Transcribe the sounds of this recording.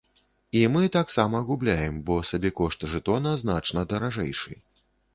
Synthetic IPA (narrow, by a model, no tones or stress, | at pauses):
imɨt̪aksamɐɣublʲajɛmbɔsabʲɛkɔʂt̪ʐɨt̪ɔnɐznat͡ʂnɐd̪ɐɾaʐɛ̰jʂɨ̰